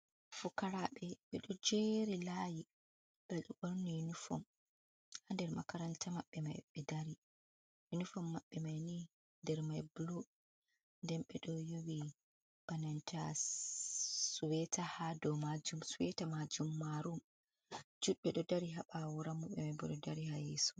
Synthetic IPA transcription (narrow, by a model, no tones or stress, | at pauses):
fukaɾaɓɛɓɛɗɔd͡ʒeɾilaji | ɡ̥aɗɔɡoɾniinufɔ̰m | handɛɾmakaɾantʰamaɓːɛma̰jɓɛdaɾi | junifɔmːaɓːɛmajni | ndɛɾmajbulo | ndɛmɓɛɗɔjowi | b̥anantʰa | suwɛtʰahadɔmad͡ʒumsuwɛtamad͡ʒumːaɾum | d͡ʒuɗɓɛɗɔdaɾiɦaɓawuɾamːuɓɛmabɔɗɔdaɾihajḛsu̥